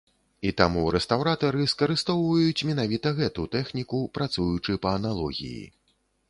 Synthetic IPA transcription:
it̪amuɾɛst̪awɾat̪ɐɾɨskɐɾɨst̪ɔwvɐjut͡sʲmʲin̪avʲit̪ɐɣɛt̪ut̪ɛxnʲikupɾat̪sujut͡ʂɨpɐɐnalˠɔɣʲḭjḭ

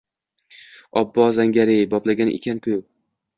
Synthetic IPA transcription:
ɒbːɒzaŋɡʲaɾejbɒplaɡʲanḛkʲʰankʲʰɵj

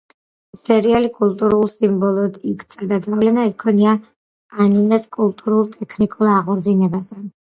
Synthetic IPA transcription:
sɛɾialikʼulˠt̪ʼuɾulˠsimbɔlˠɔd̪ikʰt̪sʼad̪aɡavlɛnaikʰɔniaː | ninaskʼulˠt̪ʼuɾulˠt̪ʼɛkʰnikʼulˠaʁɔɾd̪zinɛbazɛ

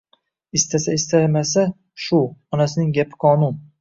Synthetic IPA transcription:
ɪst̪asaɪst̪ʰamasa | ʃʊɒnasɪnɪŋɡʲapʰɪ̥qʰɒnʊn

